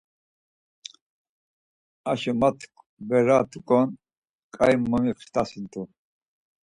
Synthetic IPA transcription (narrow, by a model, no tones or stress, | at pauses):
aʃɔmat̪ʰk | bɛɾat̪ʰukʼɔn | kʼajmːɔmiχst̪ʰasint̪ʰʼu